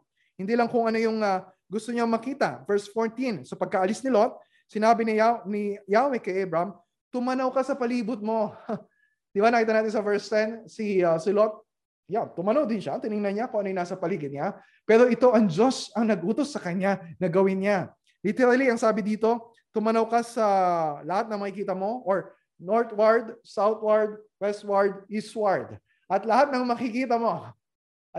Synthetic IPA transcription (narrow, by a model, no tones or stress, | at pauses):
hɪnd̪iːlɐŋkʊŋɐno̞jʊŋɐ | ɡʊst̪oɲomɐkiːt̪ɐvɛɹsfoɹt̪insɐpɐɡ̚kɐʔɐlisnɪlo̞t̪̚ | sɪnaːbɪnɪanɪjawɛkɐjʔɛbɹɐm | t̪ʊmɐnɐwkɐsɐpɐliːbʊt̪̚mo̞ | d̪̥ɪbanɐkiːt̪ɐnaːt̪ɪnsɐvɛɹst̪ɛnsɪsɪlot̪̚ | jant̪ʊmɐnɐwd̪ɪnʃat̪ɪnɪŋnɐnɲakʊŋɐnojnaːsɐpɐliːɡɪt̪̚ɲa | pɛːɾo̞ʔɪt̪o̞ʔɐŋd͡ʒo̞sɐŋnɐɡʔuːt̪o̞sːɐkɐɲanɐɡɐwɪnɲa | lit̪ɛɾɐliɐŋsaːbɪd̪iːt̪o̞ | t̪ʊmɐnɐwkɐsɐlɐhat̪̚nɐŋmɐkɪkiːt̪ɐmo̞ʔoɹ | noɹt̪̚waɹd̪sawt̪̚waɹd̪̚wɛst̪̚waɹd̪̚iswaɹd̪ | ʔɐt̪lɐhat̪̚nɐŋmɐkɪkiːt̪ɐmo̞